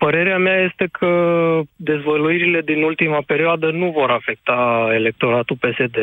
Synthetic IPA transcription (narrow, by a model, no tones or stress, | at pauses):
pəɾe̞ɾeameaje̞st̪e̞kʰəd̪e̞zvəluiɾile̞d̪inult̪imape̞ɾioad̪ənuvo̞ɾafe̞k̚t̪ae̞le̞k̚t̪o̞ɾat̪upe̞se̞d̪e̞